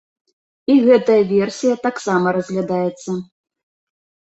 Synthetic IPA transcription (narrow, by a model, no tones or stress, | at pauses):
iɣɛt̪ɐjɐvʲɛrsʲijɐt̪aksamɐɾɐzʲɣlʲad̪ajɛt̪sːɐ